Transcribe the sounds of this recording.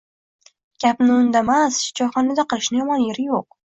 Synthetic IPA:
ɡ̥ʲapnɪʊnd̪amasd͡ʒɒχɒnad̪aqʰɨlˠɪʃnɪjɒmɒnjeɾɪjoq̚

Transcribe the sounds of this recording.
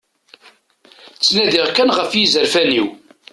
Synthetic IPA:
t͡sːnæðiʁkænʁəfjizəɾfæniw

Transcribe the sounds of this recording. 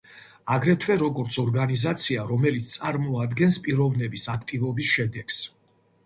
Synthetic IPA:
aɡɾɛt̪ʰwɛɾɔɡɔɾt̪sʰɔɾɡanizat̪sʰiaɾɔmɛlit̪sʰt̪sʼaɾmɔad̪ɡɛnspʼiɾɔvnɛbisakʰt̪ʼivɔbisʃɛd̪ɛks

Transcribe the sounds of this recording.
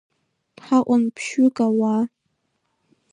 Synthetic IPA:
tħaʔʷʼʊnpʰʃʊkʼawa

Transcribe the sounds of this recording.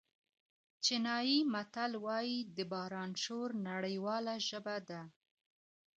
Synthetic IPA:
t͡ʃɪnɑjimat̪alwɑjid̪əbɑɾɑnʃoɾnaɽəjwɑlaʒəbad̪a

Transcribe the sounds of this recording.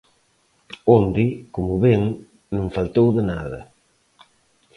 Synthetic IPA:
ond̪ɪkomuβeŋ | nũŋfalt̪owðənaðɐ̰

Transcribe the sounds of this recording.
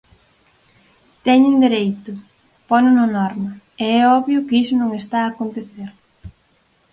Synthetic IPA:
t̪ɛɲend̪eɾejt̪ʊ | pɔnʊnɐnɔɾmɐ | eɛɔβjʊkisʊnõŋest̪aːkont̪eθeɾ

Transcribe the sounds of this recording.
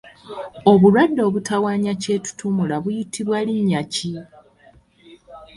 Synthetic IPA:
o̞βulwadːo̞ːβutawaːɲace̞ːtu̥tʰumulaβujitʰːiβwaliɲːaci

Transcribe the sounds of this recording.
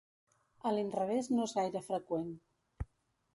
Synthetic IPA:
əlinrəβ̞eznoezɣajɾəfɾəkwen

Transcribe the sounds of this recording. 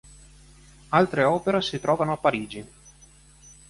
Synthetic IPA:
alt̪ɾeɔːpeɾesit̪ɾɔːvanoapːaɾiːd͡ʒi

